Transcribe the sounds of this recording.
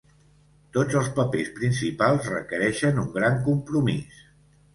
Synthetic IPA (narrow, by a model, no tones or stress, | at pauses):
t̪od͡zəlˠspəpespɾinsipalˠzrə̰kəɾɛʃənuŋɡɾaŋkumpɾumis